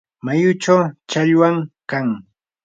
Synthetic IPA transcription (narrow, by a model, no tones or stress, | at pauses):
majʊt͡ʃawt͡ʃaʎwaŋkaŋ